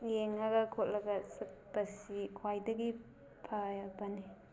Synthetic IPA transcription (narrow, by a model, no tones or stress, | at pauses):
jeŋɐɡɐkʰot̚lɐɡɐsɐk̚bɐsikʰwajdɐɡi | pʰajabɐni